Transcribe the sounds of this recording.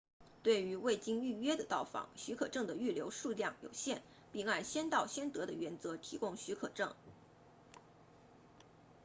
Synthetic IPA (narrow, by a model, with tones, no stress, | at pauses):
t̪we˥˩ɪy˧˥we˥˩ɪt͡ɕi˥ŋy˥˩ɥɛ˥d̪ə˨t̪ɑ˥˩ʊfɑ̰˧˥˦ŋɕy˧˥kʰɤ˨˩ʈ͡ʂɤ˥˩ŋd̪ə˩y˥˩ljo˧˥ʊʂu˥˧ljɑ˥˩ŋjo̰˨˩ʊɕjɛ˥˩n | pi˥˧ŋa˥˩nɕjɛ˥nt̪ɑ˥˩ʊɕjɛ˥nt̪ɤ˧˥d̪ə˧ɥɛ˧˥nt͡sɤ˧˥t̪ʰi˧˥kʊ˥ŋɕy˧˥kʰɤ˨˩ʈ͡ʂɤ̰˥˩ŋ